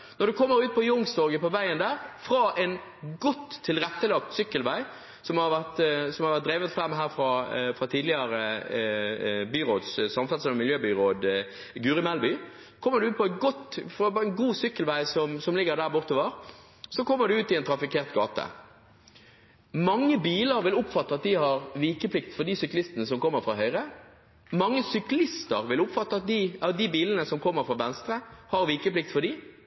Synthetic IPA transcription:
nɔɾɖ̪ʉkʰɔmːəɾʉːt̪̚pʰɔjʊŋst̪ɔʁɡəpɔʋæɪənd̪æːʁfɾɑʔɛn | ɡɔt̪ʰːɪlʁɛt̪ːəlɑk̚t̪sʏkːəlʋæɪ | sɔmhɑɾʋæʁt̪sɔmhɑɾʋæʁt̪̚d̪ɾeːʋət̪fɾɑmːɦæːʁfɾɑfɾɑt̪ʰiːd̪lɪəɾə | byːʁoːd̪ssɑmfɛlsɛmmɪljøːbyːʁoːd̪ | ɡʉːɾɪmɛlbyː | kʰɔmːəʁd̪ʉʉːt̪̚pɔɛt̪̚ɡɔt̪ːfɑpɛnɡuːsʏkːəlʋæɪsɔmsɔmlɪɡəʁd̪æːʁbʊʁt̪oːʋəʁ | sɔkʰɔmːəd̪ʉʉːt̪ːɪɛnt̪ʰɾɑfɪkʰeːʁt̪ɡɑ̰ːt̪ə̰ | mɑŋːəbiːləɾʋɪlʊpfɑt̪ːəɑt̪̚d̪ɪhɑʁʋiːkəpʰlɪkt̪fɔʁd̪isʏklɪst̪ənəsɔmkʰɔmːəɾfʁɑɦœʏʁə | mɑŋːəsʏklɪst̪əʁʋɪlʊpfɑt̪ːəɑt̪̚d̪ɪɑd̪ibiːlənəsɔmkʰɔmːəɾfʁɑːʋɛnst̪ɾəhɑʁʋiːkəplɪk̚t̪fɔd̪i

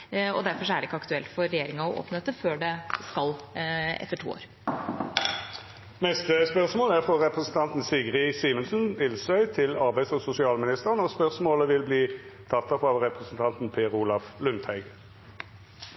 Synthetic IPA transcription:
ɔ̰d̪æɾfɔʂɔæɖɪɪkːəɑkt̪ʉɛlt̪fɔɾːɛjeːɾɪŋɑɔʔo̰ːpnəɛt̪ːəføːɖɛskɑlɛ̰t̪ːəʈʰṵːo̰ːɾ | mɛst̪əspœʁsmoːləæʁfʁɔʁɛpʁəsn̩t̪ʰɑnt̪n̩sɪɡʁɪsiːmənsn̩ʋɪlsœʏt̪ʰɪlɑʁbæɪsɔsʊsɪɑːlmɪnɪst̪əʁənɔspœʁsmoːləʋɪlbliːt̪ʰɑt̪ːɑfɑʋʁɛpʁəsn̩t̪ʰɑnt̪n̩pʰeːʁuːlɑflʉnt̪ʰhæɪɡ

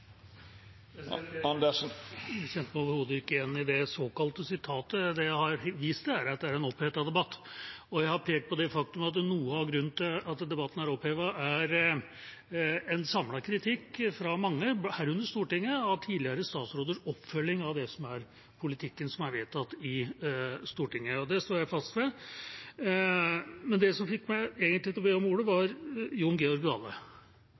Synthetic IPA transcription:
d̪ | æçɛnt̪əmæoːʋəɾhoːd̪əɪkːəjɛnːɪd̪ɛsoːkɑlt̪əsɪt̪ʰɑːt̪əd̪ɛjæɪhɑɾʋiːst̪ææɾɑt̪̚d̪ɛæɾɛnɔpʰheːt̪ɑd̪ɛbɑt̪ːɔjæɪhɑɾpʰeːk̚t̪̚pʰɔd̪ɛfɑk̚t̪ʉmɑt̪nuːəɑʋɡɾʉnːət̪ɪlɑt̪d̪ɛbɑt̪ːən̩æɾɔpheːʋɑʔæɾ | ɛnsɑmlɑkʰɾɪt̪ʰɪkːfɾɑmɑŋːəbhæɾʉnd̪əst̪uːʈɪŋːəɑʋt̪ʰiːd̪lɪəɾəst̪ɑːt̪sɾoːd̪əʂɔpːfœlːɪŋɑʋd̪ɛsɔmæɾ | pʰʊlɪt̪ʰɪkːənsɔmæɾʋet̪ʰɑt̪ːɪ | st̪uːʈɪŋːəɔd̪ɛst̪oːjæɪfɑst̪ʋɛ | mɛnd̪ɛsɔmfɪkmæɪeːɡənt̪lɪt̪ɔbeːɔmuːɽəʋɑɾjʊnɡeːɔɾɡɑ̰ːlːə̰

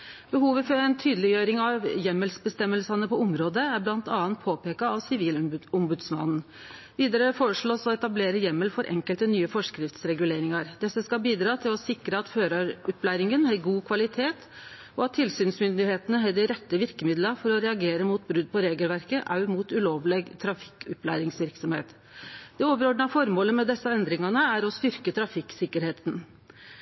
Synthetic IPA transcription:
bəɦuːʋəfɔɾɛnt̪ʰyːd̪əlɪjøːɾɪŋɑʋjɛmːəlsbəst̪ɛmːəlsɑnəpɔʊmɾoːd̪əæɾblɑnt̪ɑːɑnt̪̚pʰoːpeːkɑɑʋsɪʋiːlʊmbʉd̪smɑ̰nn̩ | ʋiːd̪əɾəfoːɾəʂɭoːsɔɛt̪ɑbleːɾəjɛmːəlfɔɾʔɛ̰ŋkəlt̪ənyːəfɔʂkɾɪft̪sɾɛɡʉleːɾɪŋɑɾd̪ɛsːəskɑbiːd̪ɾɑːt̪ʰɪlɔsɪkɾəɑt̪føːɾɑɾʉplæːɾɪŋənhɑɾɡuːkʰʋɑlɪt̪ʰeːt̪ | ɔɑt̪ʰːɪlsyːnsmʏnd̪ɪheːt̪ənəɦɛd̪ɪɾɛt̪ːəʋɪɾkəmɪd̪ləɾfɔɾɔɾɛɑɡeːɾəmuːt̪̚bɾʉd̪̚ːpʰɔɾeːɡəlʋæɾkəʔɑ̰ʉmuːt̪ʉloːʋleːɡt̪ʰɾɑfɪ̥kʉplæ̰ːɾɪŋsʋɪɾksɔmhḛːt̪ | d̪̥ɛoːʋəɾɔɖɳɑfɔɾmoːləmɛd̪ɛsːɑɛnd̪ɾɪŋɑnəæɾɔst̪ʏɾkət̪ʰɾɑfɪksɪkːəɾheːt̪n̩

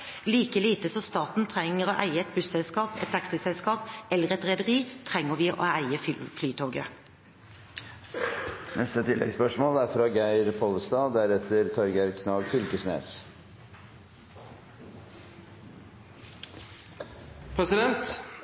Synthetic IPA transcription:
liːkəliːt̪əsɔst̪ɑːt̪n̩t̪ʰʁɛŋəʁoːʔæɪəɛt̪̚bʉsɛlskɑːpɛt̪ʰːɛksəsɛlskɑːpɛlːəʁɛt̪ʁɛd̪əʁiːt̪ʰʁɛŋːəʋɪːʔo̰ːæɪəfflyːt̪ʰoːɡə̰ | nɛst̪ət̪ʰɪlʔɛ̰ɡspœʂmoːlæɾfɾɑːɡæɪɾpʰɔləst̪ɑːd̪æɾɛt̪ʰəɾt̪ʰɑɾɡæɾkʰnɑːʋfʏlkəsnḛːs | pʰɾɛsɪd̪ɛnt̪

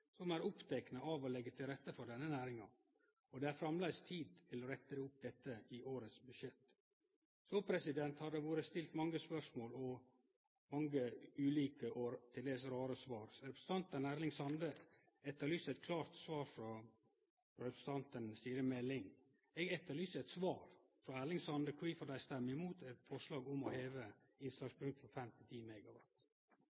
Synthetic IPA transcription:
sɔmæːɾʊpt̪ʰɛknəɑʋɔlɛɡːət̪ʰɪlɾɛt̪ːəfɔɾɖ̪ɛnːənæːɾɪŋɑ̰ | ɔd̪ɛæɾfɾɑmlæɪst̪ʰiːd̪̚ʰɪlɔɾɛt̪ːəɾəʊp̚d̪ɛt̪ːəɪʔoːɾət̪sbʉʃjɛt̪ | sopʰɾɛsɪd̪ɛnt̪hɑd̪əʋoːɾəst̪ɪlt̪mɑŋːəspœʂmoːlɔ | mɑŋɡəʉːliːkəʔoːt̪ʰɪld̪eːsɾɑːɾəsʋɑːɾɾɛpɾəsət̪ʰɑnt̪ənæːɾlɪŋsɑnd̪ə | ɛt̪ːəɾɭyːsɛt̪kʰlɑːɾt̪sʋɑːɾfɾɔ | fɾɾɛpɾəst̪ʰɑnt̪ənsiːɾəmɛlːɪŋ | ɛɡɛt̪ːəɾɭyːsəɛt̪sʋɑːɾfɾɔæːɾɭɪŋsɑnd̪əkʰwiːfɔɾd̪æɪst̪ɛmːəɾɪmuːt̪ɛt̪fɔʂlɑːɡʊmɔheːʋə | ɪnslɑspʰʉŋt̪fɔɾfɛmt̪ʰɪt̪ʰiːmɛɡɑʋɑt̪

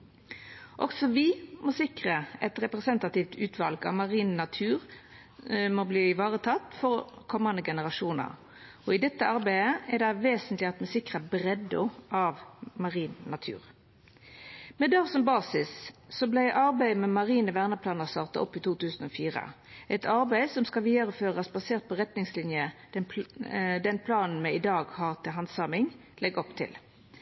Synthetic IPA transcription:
ʔɔɡsɔʋɪmɔsɪkʁəɛt̪ʁɛpʁɛsɛnt̪ɑt̪ɪft̪ʰʉːt̪ʰʋɑlɡɑ̰ʋmɑʁiːnnɑt̪ʰʉːʁ | mɔbliːɪʋɑːʁət̪ʰɑt̪ːfɔʁkʰɔmɑnəɡɛnəʁɑʃuːnə̰ʁ | ɔɪd̪ɛt̪ːəɑʁbæɪəɛd̪ɛæʋeːsənt̪lɪɑt̪mɛsɪkʁəbʁɛd̪ʊʔɑʋmɑʁiːnːɑt̪ʰʉ̰ːʁ | mɛd̪ɑːʁsɔmbɑːsɪssɔblæɪʔɑʁbæɪmɛmɑʁiːnəʋæʁnəpʰlɑːnəʁst̪ɑːʁt̪ɑɔpːɪt̪ʰuːt̪ʉːsn̩ɔfiːʁə̰ | ʔɛt̪ʰɑʁbæɪsɔmskɑʋiːd̪ɑʁəføːʁɑsbɑseːʁt̪̚pɔʁɛt̪nɪŋslɪnjəd̥̪ɛ | d̪ɛnpʰlɑːnn̩mɛɪd̪ɑːɡhɑːʁt̪ʰɪlɦɑnsɑmɪŋ | lʔɛɡɔpt̪ʰɪ̰l

